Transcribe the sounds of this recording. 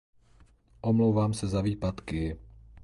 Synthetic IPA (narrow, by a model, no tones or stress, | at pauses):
ʔomlowvaːmsɛzaviːpat̪kɪ